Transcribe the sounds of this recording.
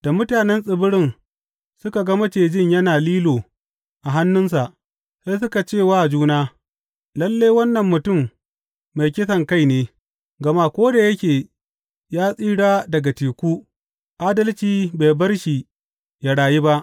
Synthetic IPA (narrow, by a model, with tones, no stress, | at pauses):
d̥a˨mʊ˦taː˨nɛ˦nsʼɪ˨bʊ˦ɽɪ˦n | sʊ˦ka˨ɡɐ˦mɐ˦t͡ʃeː˨d͡ʒɪ˦ɲjɐ˦naː˨liː˦loː˨ | ʔa˨ɦa˦nːʊ˦ns̬a˨ʔ | sa˦s̬ʊ˦ka˨t͡ʃeː˦˨waː˦˨d͡ʒuː˦naː˦ | lɐ˦lːa˦jwɐ˦nːɐ˨mːʊ˨tʊ˦˨mː | a˨jkʲɪ˦sɐ˨ŋka˦jneː˦ | ɡɐ˨ma˦˨kʷoː˦da˨jɐ˦kʲeː˨ | jaː˦sʼiː˦ɽaː˦dɐ˨ɡa˨tiː˨kʷuː˦ | ʔaː˦dɐ˦lt͡ʃiː˨be˨bɐ˦rʃi˨ | ja˨ɽaː˨ji˦ba˦ʔ